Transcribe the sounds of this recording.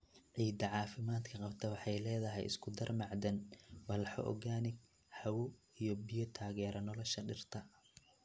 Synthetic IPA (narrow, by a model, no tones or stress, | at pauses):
ʕiːd̪ɐʕɑːfɪmaːd̪kʰɐqɑbt̪ʰɐwɑħɑjlɛːðɐɦɛ̰jɪ̰skʰʊd̪ɐrmɑʕd̪ɐnwɐlħɔ̰ʔɔ̰ɣaːnɪɡ | ħɑwɔ | ijɔbijɔt̪ʰaːɣɛːɾɐnɔlɔʃɐɖɪrt̪ʰɐ